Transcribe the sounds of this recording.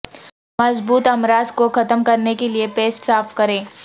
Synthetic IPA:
mɐzbuːt̪ɐmɾaːzkoxɐt̪əmkɐɾnekeliepeːsʈsaːfkɐɾẽː

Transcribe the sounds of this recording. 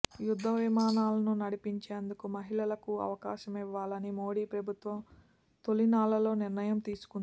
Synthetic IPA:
jud̪ʱːɐʋimaːnaːlɐnunɐɽipiɲt͡ʃeːnd̪ukumɐɦiɭɐlɐkuɐ̰ʋɐkaːʃɐmiʋːaːlɐnimoːɽiːpɾɐbʱut̪ʋɐm | t̪o̞linaːlɐlo̞ːniɾnɐjɐmt̪iːsu̥kund̪i

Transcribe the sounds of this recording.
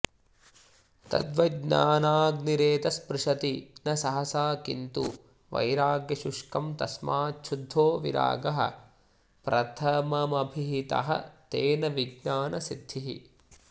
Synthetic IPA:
t̪ɐ̰d̪ʋɐɡɲaːnaːɡniɾeːt̪ɐspɾɪʂɐt̪inɐsɐɦɐsaːkḭnt̪u | ʋɐ̰jɾaːɡjɐʃuʂkɐmt̪ɐsmaːt͡ʃʰud̪ʱːoːʋḭɾa̰ːɡɐɦɐ̰̆ | pɾɐt̪ʰɐmɐmɐbʱiɦit̪ɐ̰ɦɐ̰t̪eːnɐʋiɡɲaːnɐsid̪ʱːiɦḭ

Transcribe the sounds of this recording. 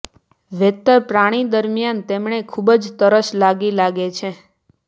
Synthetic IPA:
ʋet̪ːəɾpɾaɽ̃id̪əɾmjant̪emɳ̃ekʰubəd͡ʒt̪əɾəʃlaɡilaɡet͡ʃʰe

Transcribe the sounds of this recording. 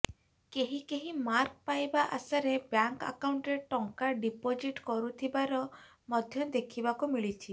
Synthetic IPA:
keɦikeɦĩmaɾk̚pajbaʔasaɾebjaŋka̰kawɳʈɾeʈɔŋkaɖipod͡ʒiʈkɔɾut̪ʰibaɾɔ | mɔd̪ʱjɔd̪ekʰibakumiɭit͡ʃʰi

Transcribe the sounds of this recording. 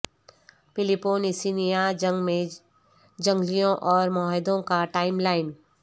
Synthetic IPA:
pɪlɪpoːnɪsinijad͡ʒəɡmẽ | d͡ʒɐ̃ŋɡlijõʔɔːɾmɔːɦɪd̪õkaʈaːɪmlaːɪn

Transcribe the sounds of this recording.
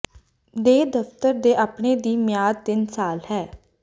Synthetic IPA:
d̪eːd̪əft̪əɾd̪eːʔaːpɳeːd̪iːmɪjaːd̪̚t̪ɪnsaːlhɛː

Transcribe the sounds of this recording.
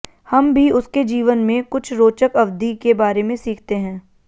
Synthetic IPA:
hɐmbʱiʊsked͡ʒiːʋənmẽkʊt͡ʃʰɾoːt͡ʃəkɐʋd̪ikebaːɾemẽsiːkʰt̪eɦɛ̃ː

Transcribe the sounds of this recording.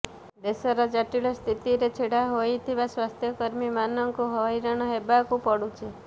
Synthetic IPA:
d̪esɔɾad͡ʒaʈilɔst̪ʰit̪iɾet͡ʃʰeɽaɦojt̪ʰiβaswast̪ʰjɔkɔɾmimanɔŋkuɦɔjɾañɔɦebakupɔɽut͡ʃʰe

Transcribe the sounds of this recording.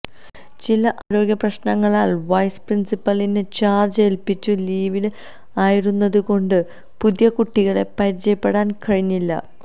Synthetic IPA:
t͡ɕilɐʔaːɾo̞ːɡjɐprɐɕnɐŋːɐɭaːlʋɐjsprinsipːɐlinet͡ɕaːrd͡ʑelpit͡ɕːuliːʋil | aːjiɾunːɐðuko̞ɳɖɨ | puðjɐkuʈːiɣɐɭe̞pɐɾt͡ɕːɐjɐpːe̞ɽaːnkɐɻiɲːilːɐ̰

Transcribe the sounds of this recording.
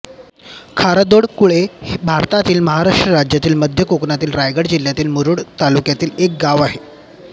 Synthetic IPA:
kʰaɾəd̪oɽkuɭehbʱaɾt̪at̪iːlməɦaɾaʂʈɾəɾad͡ʑjat̪iːlməd̪ʱjəkoknat̪iːlɾajɡəɽd͡ʑiljat̪iːlmuɾuɽt̪alukjat̪iːlek̚ɡaʋaɦe

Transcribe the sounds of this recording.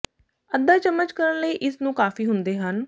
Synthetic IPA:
əd̪ːaːt͡ʃəmːət͡ʃkəɾənləiːʔɪsnũːkaːfiːɦʊnd̪eːɦən

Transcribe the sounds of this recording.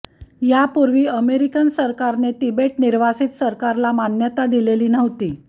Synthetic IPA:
japuɾʋiːəmeɾikənsəɾkaɾneʈibeʈniɾʋasiːt̪səɾkaɾlamanjət̪ad̪ileliːnəʋt̪iː

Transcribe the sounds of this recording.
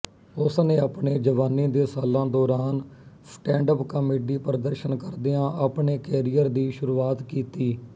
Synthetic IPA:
ʊsnẽːaːpɳeːd͡ʒəʋaːnːĩːd̪eːsaːlãːd̪ɔːɾaːnsʈɛ̃ːɳɖəpkəmeːɖiːpɾəd̪əɾʃənkəɾd̪eːãːʔaːpɳeːkɛːɾijəɾd̪iːʃʊɾuːaːt̪kiːt̪iː

